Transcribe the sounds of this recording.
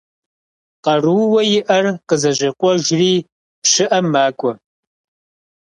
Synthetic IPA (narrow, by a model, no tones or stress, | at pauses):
qɐruwwɐjɪʔɐrqəzɐʑɐqʷʼɔʒriː | pʂɨʔɐmːaːkʷʼɔ